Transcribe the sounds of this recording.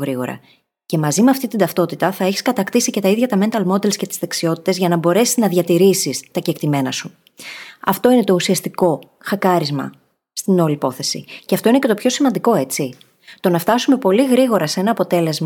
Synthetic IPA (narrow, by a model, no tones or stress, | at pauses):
ɣɾiɣo̞̰ɾɐ̰ | ce̞mɐzimeɐft̪it̪ind̪ɐft̪o̞t̪it̪ɐθɐeçi̥skɐt̪ɐkt̪isice̞t̪ɐiðʝɐt̪ɐme̞nt̪ɐlmo̞d̪e̞lsce̞t̪i̥zðeksio̞t̪i̥t̪e̞zʝɐnɐbo̞ɾe̞siznɐðʝɐt̪iɾisist̪ɐcekt̪ime̞nɐsu | ɐ̰ft̪o̞ine̞t̪o̞usiɐst̪iko̞ | xɐkɐɾizmɐ̰ | st̪ino̞lipo̞θe̞sḭceɐft̪o̞ine̞ce̞t̪opço̞simɐnd̪iko̞e̞t͡si | t̪o̞nɐft̪ɐsume̞po̞liɣɾiɣo̞ɾɐsee̞nɐːpo̞t̪e̞le̞zmɐ